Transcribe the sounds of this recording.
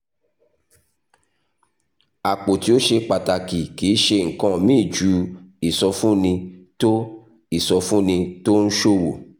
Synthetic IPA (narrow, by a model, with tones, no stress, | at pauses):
a˨k͡po˨ti˦o˦ʃe˧k͡pa˨ta˨ki˨ki˨˦ʃe˧ŋ̩˨kã˦˨mĩː˦˨d͡ʒu˨˧˦i˨sɔ˧fũ˦nĩ˧to˦ | i˦˨sɔ˧fũ˦nĩ˧to˦n̩˦ʃo˦˨wo̰˨